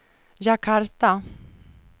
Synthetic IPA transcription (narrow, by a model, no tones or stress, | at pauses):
ʑakʰaɾt̪a